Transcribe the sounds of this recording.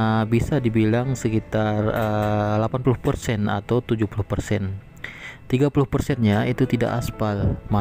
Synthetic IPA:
bisadibilaŋsəkit̪arəlapanpulʊhpərsɛna̰t̪awt̪ud͡ʒuhpulʊhpərsɛn | t̪iɡapulʊhpərsɛnɲait̪ut̪ida̰ʔa̰spalma

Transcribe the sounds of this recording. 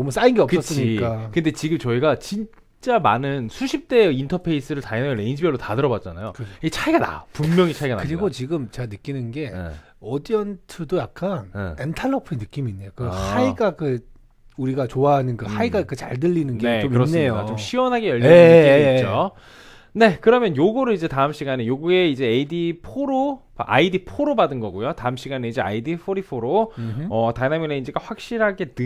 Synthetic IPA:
ʌmɯs͈ainɡe̞ʌpkɯʌss͈ɯɲiik͈akɯnde̞t͡ɕiɡɯmt͡ɕʌiɡat͡ɕin | t͡ɕ͈amanɯnsʰuɕʰip̚t͈e̞intʰʌpʰe̞is͈ɯɾɯɭtajinaʌɾe̞ind͡ʑʰibjʌɭːotadɯɾʌbat̚t͡ɕ͈anajokɯit͡ɕʰaiɡana̰pumːjʌŋit͡ɕʰaiɡankaɯɾiɡot͡ɕiɡɯmt͡ɕe̞ɡanɯk͈inɯnɡe̞̰ | ʌdiʌntʰɯdojak̚k͈an̰entʰaɭːʌpʰɯenɯk͈imiːnːe̞jokɯhaiɡakɯ | uɾiɡat͡ɕoaɦanɯnkɯhaiɡakɯt͡ɕaɭdɯʎːinɯnɡeeomɯɾʌssnːeijodat͡ɕomɕʰiwʌnɦaɡe̞jʌʎːiet͡ɕo | ne̞kɯɾʌmjʌnjoɡuɾɯid͡ʑe̞taɯmɕ͈iɡanejoɡue̞id͡ʑe̞ːidipʰoɾopaʔa̰idipʰoɾobadɯnɡʌɡojotaɯmɕ͈iɡaneid͡ʑe̞a̰idipʰoɾipʰoɾoʌtanamineind͡ʑiɡaɸwak̚ɕ͈iɾɦaɡe̞nɯ

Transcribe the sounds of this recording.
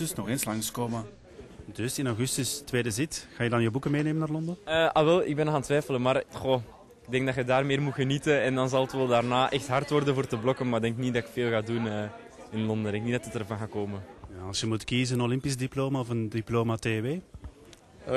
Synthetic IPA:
əsnɔxeːnslɑŋskoːmə | dɵsɪnawɣʏstʏstʋeːdəzɪtxaːjədɑnjəwbukəmeːneːmənaːrlɔndənəʔaʋɛlˠɪ̰ɡ̚bɛnxaːntʋɛːjfələnmaːrxo | ɪɡ̚dɛŋɡdɑtxədaːrmeːrmutxənitənɛndɑnzɑlˠətʋɛlˠdaːrnaːʔɛxtɦɑrtwʋɔrdənvoːrtəblɔkənmaːdɛŋknidɑɪkfeːlˠɣaːdunəː | ɪnlɔndədɛŋknidɑtətərvɑnɣaːkoːmənjaɑlˠsjəmutkizənənolɪmpis̬diploːmaɔfəndiploːmateːʋeː

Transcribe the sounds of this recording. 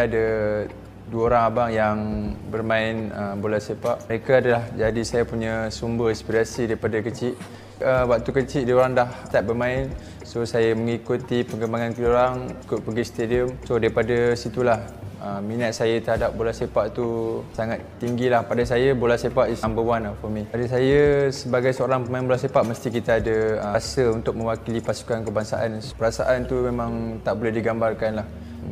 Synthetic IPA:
ada | duəoɾaŋabaŋjaŋbərmãɪnəbolasepaʔəɾekaadalahd͡ʒadisajapuɲasumbərispiɾasidaɾipadakət͡ʃɪʔ | əwak̚t̪ukət͡ʃiʔdioɾaŋdaht̪at̪̚bərmãɪn | sosajaməŋikut̪ipəŋɡəmbaŋankoɾaŋikʊʔ̪̚pəɡist̪ediəmsodaipadasit̪ulahəminat̪̚sajət̪əɦadap̚bolahsepaʔt̪usaŋat̪ːiŋɡilahpadasajəbolahsepaʔisaŋbəwanafɔmĩadas̬ajəsəbaɡajsəoɾaŋpəmaɪnbolasepaʔməst̪ikit̪aadəəsəunt̪ʊk̚mə̃wakilipasu̥kankəbaŋsaʔanpəɾasaʔant̪umemãŋt̪aʔbolɛhdiɡambarkanlah

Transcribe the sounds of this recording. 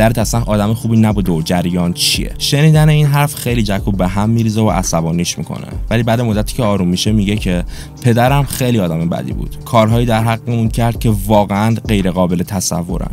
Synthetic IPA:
d̪æɾet̪æsænʔɒːd̪æmexuːbinæbuːd̪eod͡ʒæɾjɒːnt͡ʃʰiḛʃe̞niːd̪æne̞iːnɦæɾfχejlid͡ʒækʰubeɦæmːiɾiːzevo̰ʔæsæbɒːniːʃmḭkʰo̞̰nḛvælibæːd̪emod̪ːæt̪ʰi̥ːcʰʲeɒːɾumːiʃemiɟe̞cʰe̞ | pʰe̞d̪æɾæmxejliɒːd̪æme̞bæ̰d̪ḭːbṵːd̪̥kʰɒːɾɦɒːjiːd̪æɾɦæɣːemuncʰæɾd̪̥̚cʲʰe̞vɒːɣeænɢe̞jɾeɣɒːbe̞let̪ʰæsæ̰vːo̞ɾæ̰m

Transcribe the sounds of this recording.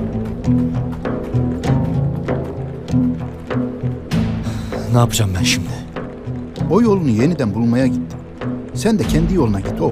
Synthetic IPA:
naːpʰɯd͡ʒamːænʃimd̪ɛ | o̞jo̞lˠunuje̞nid̪ænbulˠmajaɟit̪ʰːi̥ | sænd̪ɛcʰɛnd̪ijo̞lˠunaɟit̪ʰːio

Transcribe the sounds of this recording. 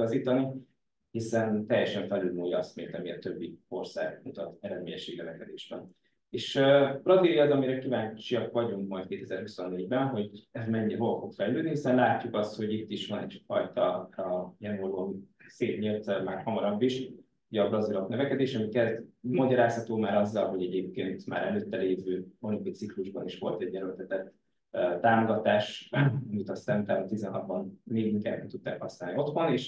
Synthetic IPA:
ɒziːt̪ɒni | hisɛnt̪ɛjːɛʃɛɱfɛlylmuːjɒɒst̪milt̪ɒmiɛt̪ø̞bːio̞rsa̰ːɡmut̪ɒt̪ɛɾɛd̪mḛːɲɛʃeːɡnøvɛkɛd̪eːʃɛ̰n | eːʃøːb̥rɒzilijɒzɒmiɾɛkivaːɲt͡ʃiɒkvɒɟuŋkmɒjt̪keːt̪ɛzɛɾhuso̞nːeːɟbɛnɦo̞ɟɛmɛɲːiɛɦolfo̞kfɛlløːd̪niɦisɛnlaːcːukɒst̪ho̞ɟit̪ːiʃʋɒnɛ̰ɟfɒjt̪ɒrɒiɛnoɾonseːt̪ɲilt̪maːrhɒmɒɾɒbːiʃ | uɟɒbrɒzilo̞knøvɛkɛd̪eːʃɒmikɛlt̪mɒɟɒɾaːshɒt̪oːmaːɾɒzːɒlɦo̞ɟɛɟeːp̚keːnt̪ma̰ːɾɛløːt̪ːɛleːvøːonikosikluʒbɒniʃʋo̞̰lt̪ɛɟːɛɾølt̪ɛt̪ɛt̪ː | øt̪aːmo̞ɡɒt̪aːʃɒmit̪ɒst̪ɛmut̪aːɾt̪izɛnɦɒt̪bɒnːeːɡiŋka̰ːd̪ɛ̰mt̪ut̪ːa̰ːkhɒsnaːlnio̞t̪ʋɒneːʃ

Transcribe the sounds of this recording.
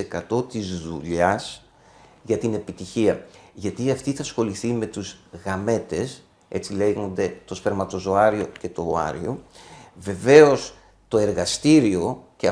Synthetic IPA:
ekɐt̪o̞t̪izðuʎɐs | ʝɐt̪ine̞pit̪içiɐʝɐt̪iɐft̪iθɐsxo̞liθime̞t̪uzɣɐme̞t̪e̞s | e̞t͡sile̞ɣond̪e̞t̪o̞spe̞ɾmɐt̪o̞zo̞ɐɾio̞ce̞t̪o̞ːɐ̰ɾḭo̞̰ve̞ve̞o̞s | t̪o̞e̞ɾɣɐst̪iɾio̞ceɐ

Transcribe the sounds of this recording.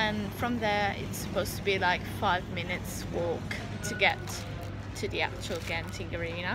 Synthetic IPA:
ə̃nfɹʌ̃mðə˞ɪ̰tsə̥pʰoʊz̥tʰəbilaɪkfaɪvmɪnɨtswɔˑk | tʰɨɡɛtʰ | ɨðiæ̰k̚t͡ʃəl̩ˠɡæ̃mtʰɪ̃ŋɡə˞ijɨnə

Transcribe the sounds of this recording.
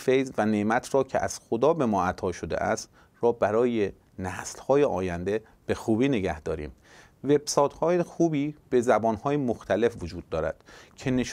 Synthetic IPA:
fejzvæneʔmæt̪ʰɾɒːcʰḛʔæ̰z̥xod̪ɒːbe̞mɒːʔæt̪ʰɒːʃo̞d̪ḛʔæ̰st̪ | ɾɒːbæɾɒːje̞ | næːslhɒːjeʔɒːjænd̪e̞ | b̥e̞xuːbiːne̞ɟæhd̪̥ɒːɾḭːm | ve̞b̥sɒːt̪ʰhɒːjexuːbiːb̥e̞zæbɒːnhɒːjemoxt̪ʰæle̞fvod͡ʒuːd̪̚ːɒːɾæ̰d̪̥cʰe̞ne̞ʃ

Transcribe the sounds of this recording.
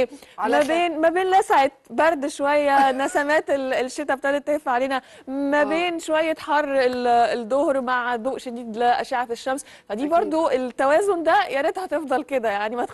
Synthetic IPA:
mæbeːnmæbeːnlæsaʕet̪̚bɑɾˤd̪ʃowæjːænæsæmæːt̪elelʃːet̪æbt̪æʕd̪et̪ːehefʕaleːnæ | mæbeːnʃowæjːæt̪ħɑrˤːeled̪ˤohɾmaʕd̪uːʔʃed̪iːd̪leʔæʃeʕafeʃːæms | fæd̪iːbɑɾˤd̪ˤoʔet̪ːæwæːzond̪æjæɾet̪hæt̪efd̪ˤɑlked̪æjaʕnimæt̪

